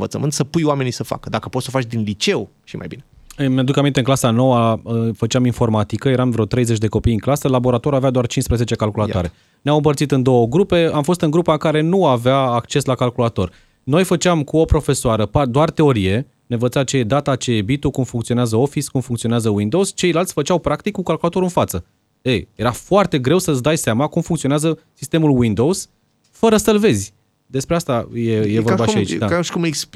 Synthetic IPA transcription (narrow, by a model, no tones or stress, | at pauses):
və̰t̪sə̰mɨnt̪səpujwame̞nisəfa̰kəd̪akəpot̪sofat͡ʃd̪inlit͡ʃe̞w | ʃima̰jbine | mead̪ukamint̪eɨŋklasano̞waəfət͡ʃaminfo̞rmat̪ikəje̞ɾamvɾeot̪ɾe̞jzet͡ʃʲd̪e̞ko̞pijɨŋklasəlabo̞ɾat̪oɾavead̪oart͡ʃinspɾeze̞t͡ʃe̞kalkulat̪aɾe̞ | neawɨmpərt̪sit̪ɨnd̪o̞wəɡɾupe̞amfo̞st̪ɨŋɡɾupakaɾe̞nuaveaːkt͡ʃe̞slakalkulat̪o̞r | no̞jfət͡ʃamkuo̞pɾo̞fe̞soaɾəpad̪oart̪e̞o̞ɾije̞ | ne̞vət̪sat͡ʃejed̪at̪at͡ʃejebit̪ukumfuŋkt̪sio̞neazəo̞fiskumfuŋkt̪sio̞neazəwind̪o̞wz̥t͡ʃe̞jlalt̪sʲfət͡ʃawpɾakt̪ikːukalkulat̪o̞ɾuɨnfat̪sə | eje̞ɾafoart̪e̞ɡɾe̞wsəsd̪ajseamakumfuŋkt̪sioeazə | sist̪e̞mulwind̪o̞wz̥ | fəɾəsəlve̞zʲ | d̪e̞spɾe̞ast̪ajejevobaʃait͡ʃd̪aʃkumeks